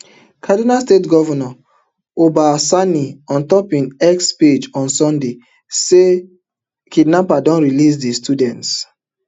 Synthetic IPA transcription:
kʰadinalstetɡɔvɔnɔ | obasaniɔ̃ntɔpĩnɛksped͡ʒɔ̃nsɔ̃nde | se | kidnapadɔ̃nɹilis̬distʰudɛ̃nts

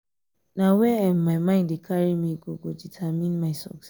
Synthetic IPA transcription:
nãwɛɛ̃nmaɪmãɪ̃ndekʰaɹimĩɡoɡoditʰamĩnmaɪsɔ̰ks

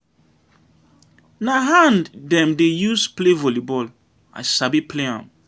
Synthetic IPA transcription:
naɦãnddɛ̃mdejusplevɔlibɔl | a̰sabipleã̰m

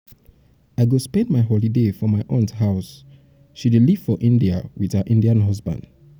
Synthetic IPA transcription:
aɪɡospɛ̃ndmaɪɦɔlidefɔmaɪʔɔ̃nthaʊs | ʃidliv̥fɔʔĩndia̰wið̥əʔĩndiãnɦʌzbã̰nd̥

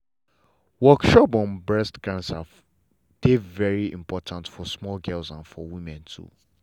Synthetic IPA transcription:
wɔkʃɔpɔ̃nbɹɛstɡɹãnsa | d̥evɛɹiḭ̃mpʰɔtʰãntfɔsmɔlɡɛlsãnfɔwĩmɛ̃ntʰṵ

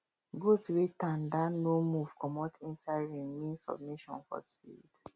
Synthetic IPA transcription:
ɡoswetãndanomuvkɔmɔtʰĩnsaɹĩmĩnsɔ̰b̚miʃɔ̰̃nfɔ̰spiɹḭt

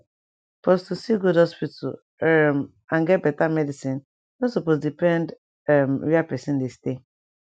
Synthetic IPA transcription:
pɔstusiɡudhɔspitʰa̰l | ɛm | ãnɡɛt̚bɛtamɛdisĩn | nɔsopos̬dipɛ̃nd | ɛmɾiapɛsĩndeste

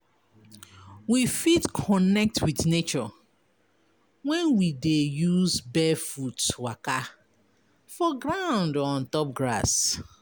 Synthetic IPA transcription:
wifitkʰɔnɛk̚twiθnet͡ʃɔ | wɛ̃nwidejuzbɛfutwaka | fɔɡɹãʊ̃ndɔ̃ntɔp̚ɡɹa̰s

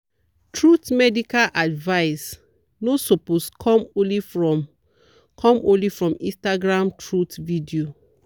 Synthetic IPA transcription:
tʰɹutmɛdikalʔadvaɪs | nosoposkʰɔ̃mõnlifɹɔ | kʰɔ̃mõnlifɹɔ̃mĩstaɡɹãmtʰɹutvidio

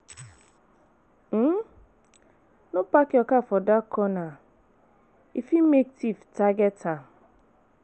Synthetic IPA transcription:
m̩ | nʊpakɪɔkafɔdakɔna | ifimektiftaɡɛta

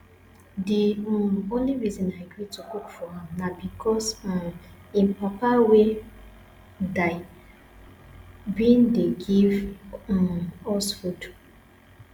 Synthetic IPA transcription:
diõnliɹizɔ̃naɡɹitukukfɔãmnabikʰɔs | ĩmpapawe | daɪ | bindeɡiv | ɔsfud

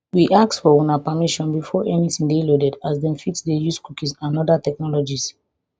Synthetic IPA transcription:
wiʔak̚tfɔwũnapamiʃɔ̃nbifɔʔɛnitĩŋdelodɛdazdɛ̃nfitsdejuskukisãnɔdatɛk̚nɔlɔd͡ʒis

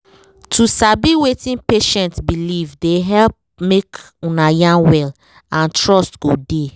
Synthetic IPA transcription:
tʰusabiwetĩnpeʃɛ̃ntbilivdeɦɛlp̚ | mek | ũnajãnwɛl | ãntɹɔstɡ̥ode

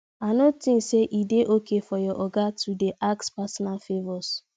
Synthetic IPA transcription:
anotĩnseʔideʔokefɔjɔʔɔɡatʰudeʔakspasɔnalfevɔs

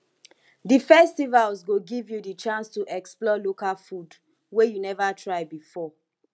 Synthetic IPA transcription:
difɛstivalsɡoɡivjudit͡ʃãnstuʔɛksplɔlokalfud | wejunɛvatʰɹaɪbifɔ

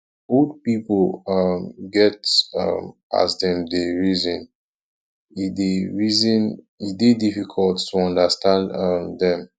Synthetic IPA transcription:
od̚piplʌmɡɛtʌ̰mʔa̰zdɛ̃mdeɹizɔ̃n | ideɹizɔ̃n | ibedifikʰɔltːuɔ̃ndəstãndʌmdɛ̃m

